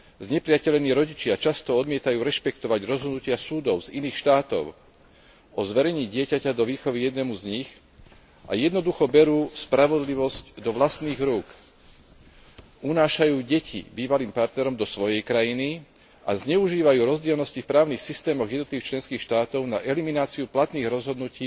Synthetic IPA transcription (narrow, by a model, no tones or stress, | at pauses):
zɲɛpɾɪacɛʎɛniːɾɔɟit͡ʃɪat͡ʃast̪ɔɔd̪mɪɛt̪ajuːɾɛʃpɛkt̪ɔʋaɟɾɔzɦɔd̪nucɪasuːd̪ɔʊziniːxʃt̪aːt̪ɔ̰ʊ | ɔzʋɛɾɛɲiːɟɪɛcacad̪ɔʋiːxɔʋijɛd̪nɛmuzɲix | ʔa̰jɛd̪nɔd̪uxɔbɛɾuːspɾaʋɔd̪liʋɔscd̪ɔʋlast̪niːɣɾuːk | ʔunaːʃajuːɟɛcʰḭbiːʋaliːmpaɾt̪nɛɾɔmd̪ɔsʋɔjɛjkɾajini | ʔa̰zɲɛuʒiːʋajuːɾɔzɟɪɛlnɔscifpɾaːʊniːxsist̪ɛːmɔɣjɛd̪ɔt̪liʋixt͡ʃlɛnskiːxʃt̪aːt̪ɔʊnaʔɛliminaːt͡siuplat̪niːɣɾɔzɦɔd̪nuciː